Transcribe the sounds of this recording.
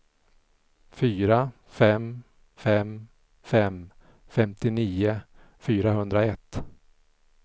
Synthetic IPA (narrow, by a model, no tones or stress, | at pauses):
fyːɾa | fɛm | fɛm | fɛm | fɛmt̪ɪniːʊ | fyːɾaɦɵnd̪ɾaɛt̪ː